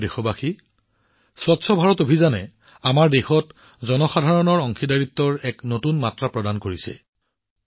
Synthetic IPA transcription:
dexɔbaxi | swɔtsʰɔbʱaɹɔtobʱizanɛ | amaɹdexɔt | zɔnɔxadʱaɹɔnɔɹɔŋxidaɹit̪ːɔɹɛknotunmatɹapɹɔdankoɹisɛ̰

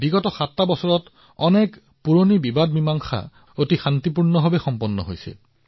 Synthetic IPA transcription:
biɡɔtɔxatːabɔsɔɹɔt | ɔnɛk | puɹonibibad̚mimaŋxʰa̰ | otixant̪ipuɹnɔɦabɛxɔmpɔnːɔ̰ɦojsɛ̰

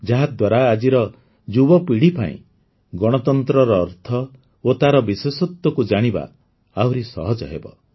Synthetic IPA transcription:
d͡ʒaɦad̪waɾaːd͡ʒiɾɔ | d͡ʒubɔpiɽ̤ipa̰ḭ̃ | ɡɔɽ̃ɔt̪ɔnt̪ɾɔɾɔːɾt̪ʰɔ | ot̪aɾɔbiswesɔt̪wɔkud͡ʒaɽ̃iba̰ | awɾisɔ̰ɦɔd͡ʒɔ̰ɦḛbɔ̰

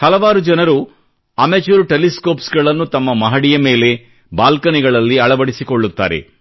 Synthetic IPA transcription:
hɐlɐʋaːɾud͡ʒɐnɐɾu | ɐmet͡ʃuɾuʈeliskoːpsɡɐɭɐnːut̪ɐmːɐmɐɦɐɽijɐme̞ːle̞ | baːlkɐniɡɐɭɐlːiɐɭɐʋɐɽisikoɭːut̪ːa̰ːɾḛ

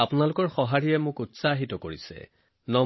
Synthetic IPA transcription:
apʊnalʊkɔɹxɔɦaɹijɛmʊkutsaɦitɔkoɹisɛ̰ | nɔ

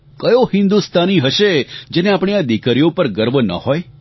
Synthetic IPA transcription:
kəjohɪ̃nd̪ust̪ʰaniɦəʃed͡ʒeneapɽ̃ead̪ikəɾijopəɾɡəɾbʱənə̰hoj

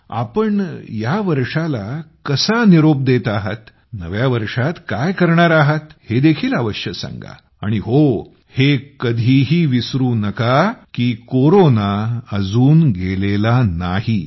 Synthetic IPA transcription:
a̰pəɳjaʋəɾʂalakəsaniɾob̚d̪et̪aɦət̪ | nə̰ʋjaʋəɾʂat̪kajkəɾɳaɾaɦət̪hed̪ekʰiːlaʋəʂjəsã̰ŋɡa̰ | a̰ɽ̃iɦo | hekəd̪ʱiːɦiːʋisɾuːnəkakiːkoɾonaəd͡zuːnɡelelanahi

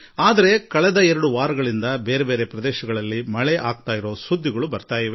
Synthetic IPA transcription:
aːd̪ɐɾe̞kɐɭɛd̪ɐɛɾɐɽuʋaːɾɐɡɐɭind̪ɐbeːɾebe̞ːɾepɾɐd̪ɛːʃɐɡɐɭɐlːimɐɭeʔaːɡ̚t̪aːjiɾo̞ːsud̪ʱːiɡɐɭubɐɾt̪aːjiʋe

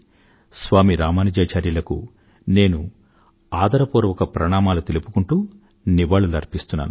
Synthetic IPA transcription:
sʋaːmiɾaːmaːnɐd͡ʒeːt͡ʃaːɾjɐlɐkṵ | ne̞ːnu | aːd̪ɐɾɐpuːɾɐʋɐkɐpɾɐɳaːmaːlut̪elupu̥kuɳʈuː | niʋaːɭulɐɾpist̪unːa̰ːnu

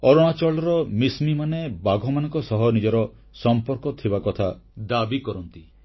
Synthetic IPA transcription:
ɔɾɔɽ̃at͡ʃɔɭɔɾɔmismimanebaɡʱɔmanɔ̃ŋkɔsɔɦɔnid͡ʒɔɾɔ | sɔmpɔɾkɔt̪ʰibakɔt̪ʰad̪abikɔɾɔnt̪i

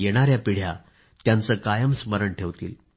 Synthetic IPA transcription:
jeɽ̃aɾjapiɽ̤ja | t̪jant͡səːkajəmsməɾəɳʈʰeʋt̪ḭːl

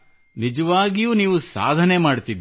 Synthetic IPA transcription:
nid͡ʒɐʋaːɡijuːniːʋusa̰ːd̪ʱɐnemaːɽt̪id̪

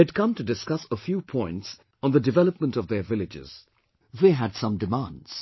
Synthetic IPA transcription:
ɨd̚kʰʌ̃mtɨdɨskʌsəfjupʰɔ̃ɪ̃nts | n̩ðədɨvɛlˠəp̚mə̃ntʌvðə˞vɪlɨd͡ʒɪ̰z̥ | ðeɦɨdsʌ̃mdɨmãndz̥

